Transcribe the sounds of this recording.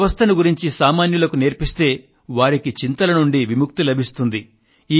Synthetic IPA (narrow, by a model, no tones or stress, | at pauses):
ʋɐst̪ʰɐnuɡuɾiɲt͡ʃisaːmaːnjulɐkuneːɾpist̪e̞ː | ʋaːɾikit͡ʃint̪ɐlɐnuɳɖiʋimuk̚t̪ilɐbʱist̪und̪i | iː